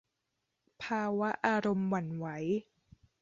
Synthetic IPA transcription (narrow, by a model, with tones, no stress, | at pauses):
pʰaː˧wa˦˥ʔaː˧ɾo˧mwa˨˩nwa˦j